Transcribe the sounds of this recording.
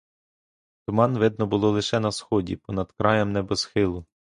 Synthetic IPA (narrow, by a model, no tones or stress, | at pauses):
t̪ʊmɑnʋɪd̪̚nɔbʊlˠɔlˠɪʃɛnɐsxɔdʲḭpɔnɐd̪kɾɑjɛmnɛbɛz̥xɪlˠʊ